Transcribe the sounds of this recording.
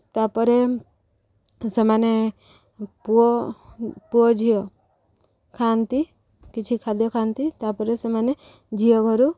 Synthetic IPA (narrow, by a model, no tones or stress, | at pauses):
t̪apɔɾe | semane | puɔ | puɔd͡ʒʱijɔ | kʰant̪i | kit͡ʃʰikʰad̪jɔkʰant̪it̪apɔɾesemane | d͡ʒʱijɔɡʱɔɾu